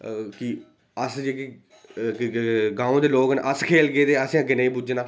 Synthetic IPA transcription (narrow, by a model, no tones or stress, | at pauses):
ki | əsd͡ʒeːkː | ɡãːõːd̪eːloːkənʔəskʰeːlɡeːd̪eːəsãːɡɪnẽĩːbud͡ʒnãː